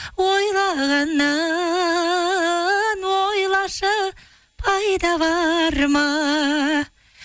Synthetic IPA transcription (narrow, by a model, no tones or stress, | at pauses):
wojlˠɑʁɑnːɑ | nwojlˠɑʃə | pʰɑjd̪ɑβɑɾmɑ